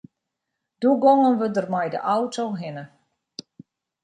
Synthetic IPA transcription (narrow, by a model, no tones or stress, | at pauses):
d̥uɡɔŋənʋədərmɛjdə̰ʔawtʰowɦɪnə